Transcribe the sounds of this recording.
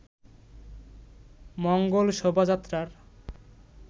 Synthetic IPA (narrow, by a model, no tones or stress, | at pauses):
mɔŋɡolʃobʱad͡ʑat̪ːɾaɾ